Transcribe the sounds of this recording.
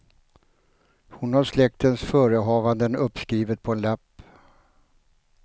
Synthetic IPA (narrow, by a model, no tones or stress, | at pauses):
hʊnhaɾʂlɛk̚t̪ənsfœːɾəɦɑːvand̪ənɵpːskɾiːvət̪̚pʰɔɛnlɛpː